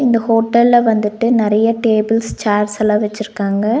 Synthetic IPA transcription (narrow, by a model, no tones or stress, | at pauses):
ɪnd̪ɐhoːʈːɐlːɐʋɐnd̪ɯʈːɯnɪɾɐjɐʈeːbɪlst͡ʃaːɾsɐlaːʋɛt͡ʃːɪɾɯkːaːŋɡɐ